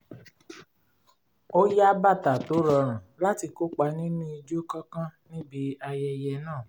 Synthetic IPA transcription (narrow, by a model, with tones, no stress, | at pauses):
o˦ja˦ba˦˨ta˨to˨˦ɾɔ˧ɾ̃ã˨la˦ti˧ko˦k͡pa˧nĩ˦nũ˦i˧d͡ʒo˦kã˦kã˦nĩ˦bi˧˦a˧jɛ˧jɛ˧nãː˦˨